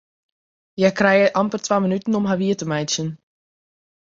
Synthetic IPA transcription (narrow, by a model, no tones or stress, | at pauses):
jɛkrɛjəʔampərtwaːmənytənɔmɦaʋiətəmɛjtsjən